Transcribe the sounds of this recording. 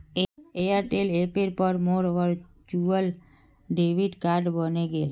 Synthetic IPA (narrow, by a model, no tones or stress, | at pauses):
eeaɾʈelepeɾpəɾmoɾʋəɾt͡ʃuəl | ɖeʋiɖkaɾɖbəneɡel